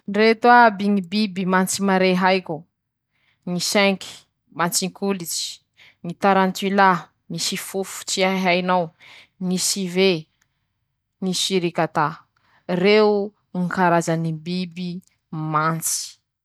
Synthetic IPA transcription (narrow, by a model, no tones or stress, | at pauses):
nret̪wabiŋibibimant͡simaɾeɦajkʲu | ŋisɛŋkʰi̥ | mant͡siŋkʰulit͡si̥ | ŋit̪aɾant̪ila | misifufu̥t͡siaɦajnaw | nisive | nisiɾikat̪a | re | ŋikaɾazanibibi | mant͡si̥